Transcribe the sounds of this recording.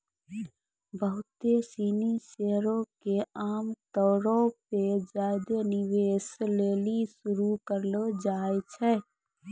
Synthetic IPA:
bəɦʊt̪esiniseɾõkeaːmt̪ɔːɾoped͡ʒajd̪eniʋeslelisuɾukəɾlod͡ʒaɛt͡ʃʰɛ

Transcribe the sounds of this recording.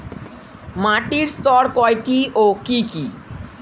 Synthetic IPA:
mãʈiɾst̪ɔɾkɔjʈiʔokiki

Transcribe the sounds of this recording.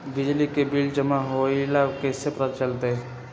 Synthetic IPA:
bɪd͡ʒlikebɪld͡ʒəmaɦoilakesepɾət̪t͡ʃəlt̪eɦɛ̃

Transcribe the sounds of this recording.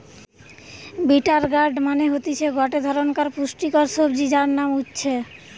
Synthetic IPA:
biʈaɾɡaɾɖmaneɦot̪it͡ɕʰeɡɔʈed̪ʱɔɾonkaɾpuʃʈikoɾsobd͡ʑid͡ʑaɾnamutːɕʰe

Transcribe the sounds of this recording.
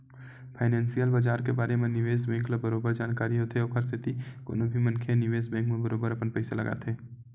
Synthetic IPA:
pʰaːɪnɛ̃ːnsijəlbaːd͡ʒaːɾkebaːɾemẽnɪʋeːsbɛ̃ːŋklabɐɾoːbəɾd͡ʒaːnkaːɾiɦoːt̪ʰeɔːkʰəɾsʰɪt̪iko̰ːnõbʱimɐ̃nkʰenɪʋeːsbɛ̃ːŋkmẽbəɾoːbəɾɐpənpɛɪselɐ̰ɡa̰t̪ʰeː

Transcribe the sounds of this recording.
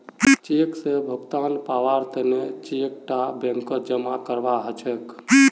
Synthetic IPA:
t͡ʃeksebʱəɡt̪anpaʋaɾt̪ənet͡ʃek̚ʈabẽŋkəd͡ʒəmakəɾʋaɦət͡ʃʰək

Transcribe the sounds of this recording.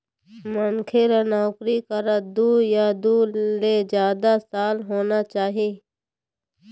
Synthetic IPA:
mənkʰeːɾanaːkɾiːkəɾad̪uːjaːd̪uːleːd͡ʒjaːd̪asaːlɦoːnaːt͡ʃaːɦiː

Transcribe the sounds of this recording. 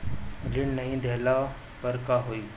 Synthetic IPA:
liːɳnəɦĩd̪ʱela | pəɾkaɦoiː

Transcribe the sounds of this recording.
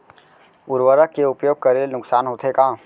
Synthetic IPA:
ʊɾwəɾəkːeʊpjoːɡ̚kəɾelenʊksaːnɦoːt̪ʰɦekãː

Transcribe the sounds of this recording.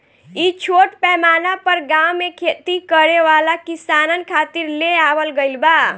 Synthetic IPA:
it͡ʃʰoʈpɛmanapəɾɡawmekʰet̪ikəɾeʋalakisanənkʰat̪iɾleabəlɡəɪlba

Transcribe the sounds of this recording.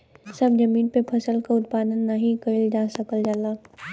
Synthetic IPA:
sɐbd͡ʒɐmĩːnpepʰɐsəlkaʊt̪̚paːd̪ənːaɦĩkɐɾild͡ʒaːsɐkəld͡ʒaːlaː

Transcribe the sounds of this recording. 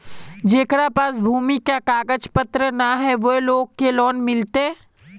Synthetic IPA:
d͡ʒeːkɽapaːs̬bʱuːmikakaːkəd͡ʒpət̪ɾənaɦɛʋoloːɡ̚kelɔːnmɪlt̪e

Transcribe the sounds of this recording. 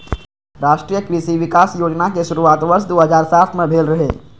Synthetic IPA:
ɾaːʃʈɾiːjəkɾɪsiʋɪkaːsjoːd͡ʒnakeʃʊɾuaːt̪ʋəɾʃd̪oːɦɐzaːɾsaːt̪ʰmẽbʱeːlɾɐɦḛː

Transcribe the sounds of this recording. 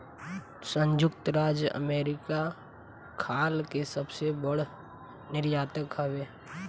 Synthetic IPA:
sə̃ɲd͡ʒʊk̚t̪ɾaːd͡ʒjəə̰meːɾɪka | kʰaːlkesəbsebəɽ̤ | nɪɾjaːt̪əkɦəʋeː

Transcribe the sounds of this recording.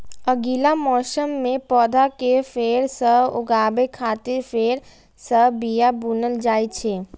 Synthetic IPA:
əɡilamɔːsəmːẽpɔːd̪ʱakepʰeːɾsəbʊ̰ɡaːbekʰaːt̪ɪɾpʰeɾ | səbbijabunəld͡ʒaːjt͡ʃʰe

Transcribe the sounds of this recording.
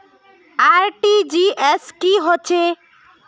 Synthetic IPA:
aɾʈid͡ʒieskiɦot͡ʃʰe

